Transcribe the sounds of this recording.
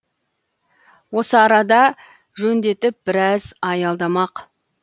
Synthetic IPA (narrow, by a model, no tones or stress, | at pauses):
wo̞səɑɾɑd̪ɑ | ʒɵnd̪e̞t̪ɪp̚bɪɾɑzɑjɑlˠd̪ɑmɑq